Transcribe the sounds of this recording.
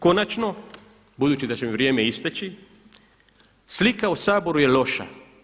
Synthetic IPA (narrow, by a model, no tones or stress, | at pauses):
ko̞nat͡ʃno̞ | bud̪uːt͡ʃid̪at͡ɕemʋɾje̞ːmeist̪et͡ʃi | slikausaːbo̞ɾuje̞lo̞ʃa̰